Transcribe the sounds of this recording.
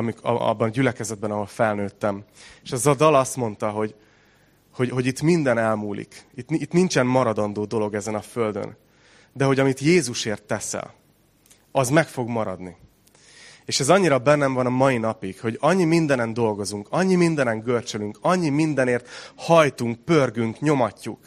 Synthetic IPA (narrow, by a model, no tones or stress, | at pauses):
ɒmikɒ̰bːɒnɒɟylɛkɛzɛd̪̚bɛnɒɦo̞lfɛlnøːt̪ːɛmeʃɛzɒd̪ɒlɒst̪mo̞nt̪ɒɦo̞ɟ | ho̞ɟho̞ɟit̪mind̪ɛnɛlmuːlḭkit̪nit̪nint͡ʃɛmmɒɾɒd̪ond̪oːd̪o̞lo̞ɡɛzɛnɒfø̞ld̪ø̰n | d̪ɛɦo̞ɟɒmit̪jeːzuʃeːrt̪ːɛsɛ̰l | ɒzmɛkfo̞ɡmɒɾɒd̪ni | eːʃɛzɒɲːiɾɒbɛnːɛɱvɒnɒmɒinɒpiɡho̞ɟɒɲːimind̪ɛnɛnd̪o̞lɡo̞zuŋkɒɲːimind̪ɛnɛŋɡørt͡ʃølyŋkɒɲːimind̪ɛneːrt̪hɒjt̪uŋk̚pørɡyŋkɲo̞mɒcːuk